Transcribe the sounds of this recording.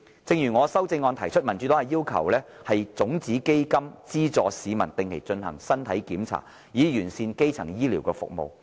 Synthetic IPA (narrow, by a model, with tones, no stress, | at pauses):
t͡sɪ˧ŋjyː˨˩ŋɔː˨˧sɐ˥wt͡sɪ˧ŋːɔː˧nt̪ʰɐ˨˩jt͡ʃʰɵ˥t̚mɐ˨˩nt͡ʃy˨˥t̪oː˥hɐ˨jiː˥wkʰɐ̰˨˩wlɛː˥hɐ˨jt͡sʊ˨˥ŋt͡siː˨˥ke˥jkɐ˥mt͡siː˥t͡sɔː˨siː˨˧mɐ̰˨˩nt̪ɪ˨˩ŋkʰe˨˩jt͡ʃɵ˧nhɐ̰˨˩ŋsɐ˥nt̪ʰɐ˨˥jkiː˨˥mt͡sʰa̰ː˨˩t̚ | jiː˨˧jyː˨˩nsiː˧nke˥jt͡sʰɐ˨˩ŋjiː˥liː˨˩wkɛː˧fʊ̰˨k̚mo̰˨˧w